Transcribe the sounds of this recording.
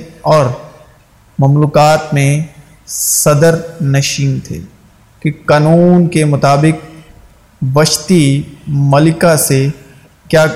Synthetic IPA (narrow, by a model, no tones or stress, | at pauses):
ɔːɾ | mɐmluːkaːt̪mẽ | sɐd̪əɾnɐʃɪ̃ŋɡt̪ʰḛː | kikaːnuːnkemʊt̪aːbɪk̚ | ʋɐʃt̪imɐlɪkase | kjaː